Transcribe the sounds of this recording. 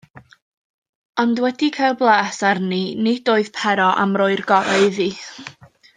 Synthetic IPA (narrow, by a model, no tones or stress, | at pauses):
ɔndwɛdikʰajlˠblˠaːsarninɪd̥oːɨð̥pʰɛɾɔʔa̰mroːɨrɡɔɾaɨði